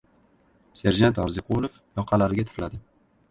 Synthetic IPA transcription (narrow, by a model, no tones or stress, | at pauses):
se̞ɾd͡ʒant̪ɒɾzɪqʰolˠofjɒqʰɑlaɾɪɡʲat̪ʰɪ̥flad̪ɪ